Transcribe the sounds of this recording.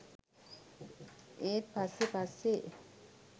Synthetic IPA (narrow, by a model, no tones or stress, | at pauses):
et̪̚pasepaseʔ